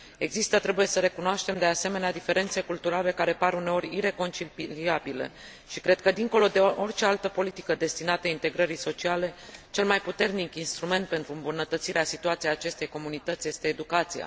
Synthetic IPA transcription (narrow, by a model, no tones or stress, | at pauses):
e̞ɡzist̪ət̪ɾe̞buje̞səɾe̞kunoaʃt̪e̞md̪e̞ase̞me̞nead̪ife̞ɾe̞nt̪se̞kult̪uɾale̞kaɾe̞paɾune̞o̞ɾʲiɾe̞ko̞nt͡ʃiliabile̞̰ | ʃikɾe̞d̪̥̚kəd̪iŋko̞lo̞d̪e̞ʔo̞rʲt͡ʃe̞alt̪əpo̞lit̪i̥kəd̪e̞st̪inat̪əint̪e̞ɡɾəɾiso̞t͡ʃiale̞t͡ʃe̞lmajput̪e̞rnikinst̪ɾume̞nt̪̚pe̞nt̪ɾuɨmbunət̪ət̪siɾeasit̪uat̪siaːt͡ʃe̞st̪e̞jko̞munit̪ət̪sje̞st̪e̞ːd̪ukat̪sija̰